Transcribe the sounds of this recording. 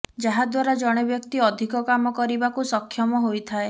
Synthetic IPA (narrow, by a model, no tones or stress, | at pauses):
d͡ʒaɦad̪waɾad͡ʒɔɽ̃ebjɔkt̪iɔd̪ʱikɔkamɔkɔɾibakusɔkʰːjɔmɔɦojt̪ʰae